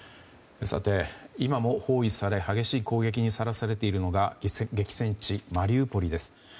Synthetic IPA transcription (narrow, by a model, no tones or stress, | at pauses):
sa̰t̪e̞imamo̞ho̞ːisaɾe̞haɡe̞ɕiːko̞ːɡe̞k̬ʲiɲ̟isaɾasaɾe̞t̪e̞iɾɯ̟no̞ɡaɡe̞kʲi̥sẽ̞ɲt͡ɕimaɾʲɨːpo̞ɾʲid̪e̞sɨ̥